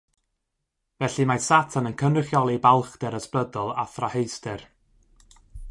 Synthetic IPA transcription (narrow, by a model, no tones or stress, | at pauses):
vɛɬɨmasatʰanənkʰənrɪχjɔlˠibalˠχd̥ɛɾəsplədɔlˠaθrahejstɛr